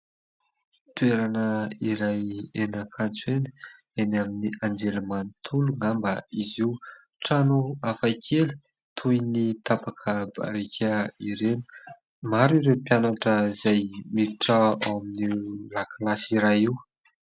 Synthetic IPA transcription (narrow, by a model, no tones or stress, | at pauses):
t̪ueɾanəiɾajenakʰant͡seni̥ | enaminiʔand͡ʒelmanit̪ʰuluŋambaiziw | ʈ͡ʂanuafajkʰeli̥ | t̪ʰujnit̪apakʰəba̰ɾekʰaiɾeni̥ | maɾiɾepjanaʈ͡ʂəzajmiʈ͡ʂaaaminilakʰalasiɾajiw